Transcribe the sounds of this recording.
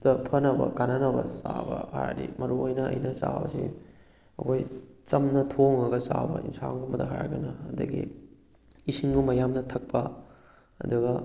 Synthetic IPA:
d̥ɐpʰɐnɐbɐ̰kananɐbɐsabɐha̰ɾɾḭmɐɾuojnɐɐ̰jnɐsabɐsi | ɐkʰojt͡ʃɐmnɐtʰoŋɐɡɐsabɐinsaŋɡumbɐdɐɦaɾɡɐnɐːdɐɡi | isiŋɡumbɐjamnɐtʰɐk̚pɐ | ɐd̪uɡɐ

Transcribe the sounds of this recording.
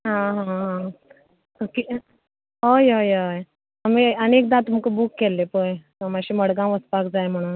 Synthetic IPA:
ɦãɦãɦã | ki | ɦojojoj | amiənek̚d̪at̪um̤kəbuːkːelːepojt̪əmaɕiːməɽɡãʋəspakd͡zajm̤əɽ̃uːn

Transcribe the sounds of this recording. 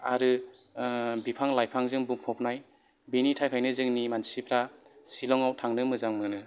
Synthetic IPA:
aɾɯ | bipʰaŋlajpʰaŋzɯŋbuŋpʰɔpnaj | benitʰajpʰajnɯzɯŋnimansipʰɾasilɔŋawtʰaŋnɯmɯzaŋmɯnɯ

